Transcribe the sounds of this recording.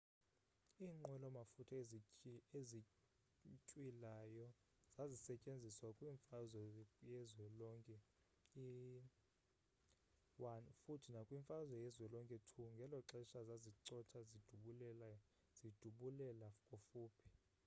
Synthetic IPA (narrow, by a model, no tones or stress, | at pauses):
iːŋ͡ǃʱwɛlɔmafutʰa | ezi | cʼwilajɔ | zazisɛcʼend͡zʱiswakʼwiɱfazwɛjɛzwɛlɔŋkʼɛ | i | wanfutʰinakʼwiɱfʼazwɛjɛzwɛlɔŋkʼɛtʰuŋɡʱɛlɔǁɛʃazaziǀɔtʰazid̥ʱuɓulɛa | z̥id̥ʱuɓulɛlafkʼofuːpʰi̥